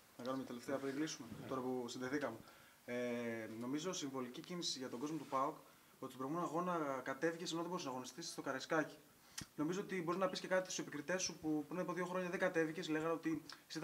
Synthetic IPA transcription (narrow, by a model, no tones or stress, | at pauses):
nɐkɐnumcɐt̪eleft̪eɐpeɾiɡlisumet̪o̞ɾɐpusinðeθikɐme | eno̞mizo̞siɱvo̞licicinisiʝɐt̪o̞ɡo̞zmot̪upɐok | o̞t̪i̥t̪oɾmunɐɣo̞nɐkɐt̪e̞vicesnoðeboɾsnɐɣo̞nist̪isst̪o̞kɐɾɐskɐci̥ | no̞mizoot̪iboɾiznɐpisce̞kɐt̪it̪susepikɾit̪e̞supupɾinɐpoðio̞xɾo̞ɲɐðeɡɐt̪e̞vice̞sle̞ɣɐno̞t̪isit̪